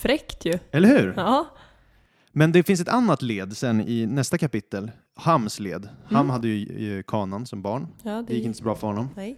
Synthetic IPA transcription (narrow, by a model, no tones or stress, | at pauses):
fɾɛkt̪ʰjɵɛlːəɾhʉ̟ːɾ | mɛnd̪ɛfɪns̬ɛt̪anːat̪leːd̪sɛnːɪnɛst̪akapɪt̪ːəl | hamːslḛːd̪hamːhad̪ːəjɵkʰɑːnansɔmbɑːɳd̪ɛjɪkːɪnt̪əsɔbɾɑːfœɾhɔnːɔm